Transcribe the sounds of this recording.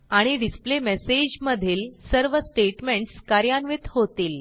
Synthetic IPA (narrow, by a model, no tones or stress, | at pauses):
aɽ̃iɖisplemɛsed͡ʑməd̪ʱiːlsəɾʋəsʈeʈmeɳʈskaɾjanʋit̪hot̪iːl